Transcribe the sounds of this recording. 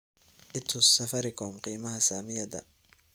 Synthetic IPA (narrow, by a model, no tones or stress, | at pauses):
ʔɪt̪ʰʊsːɐfɐɾɪkʰɔmqiːmɐɦɐsaːmɪjɐd̪ɐ̰